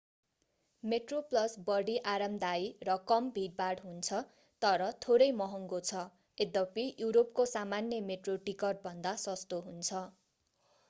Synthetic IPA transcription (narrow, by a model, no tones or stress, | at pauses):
meʈroplʌsbʌɽiʔaɾʌmd̪ajrʌkʌmbʱiʈ̚baɖɦunt͡sʰʌ | t̪ʌɾʌt̪ʰoɾʌjmʌɦʌŋɡot͡sʰʌ | ed̪ʌpijuɾop̚kosamanjʌmeʈroʈikʌrʈ̚bʱʌnd̪asʌst̪oɦunt͡sʰʌ